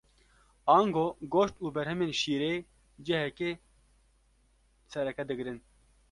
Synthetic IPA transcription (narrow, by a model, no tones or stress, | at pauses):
ɑːŋɡoːɡoːʃt̪uːbɛɾɦɛmeːnʃiːɾeː | d͡ʒɛɦɛkeː | sɛɾɛkɛd̪ɨɡɾɨn